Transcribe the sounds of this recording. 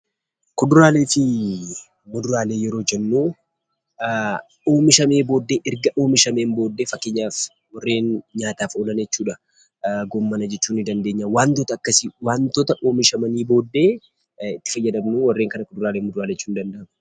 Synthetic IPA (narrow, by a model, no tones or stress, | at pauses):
kʊd̪ʊɾaːle̞ːfɪ | mʊd̪ʊɾaːle̞ːjɛɾo̞ːd͡ʒɛnːuː | o̞ːmɪʃɐme̞ːbo̞ːd̪ːe̞ːʔɪɾɡɐʔo̞ːmɪʃɐme̞ːmbo̞ːd̪ːe̞ːfɐkːɪɲːaːf | wɐrːe̞ːnɲaːt̪aːfoːlɐnd͡ʒɛt͡ʃːuːᶑɐ | ɡɔmːɐnɐd͡ʒɛt͡ʃːuːnɪd̪ɐnd̪eːɲːawaːnt̪ɔt̪ɐːkːɐsɪwaːnt̪ɔt̪ɐʔoːmɪʃɐmɐniːbo̞ːd̪ːe̞ː | ɪt̪ːɪ̥fɐjːɐd̪ɐmnuːwɐrːe̞ːŋkɐnɐkʊd̪ʊɾaːleːmʊd̪ʊɾaːleːt͡ʃːuːnd̪ɐnd̪ɐʔɐm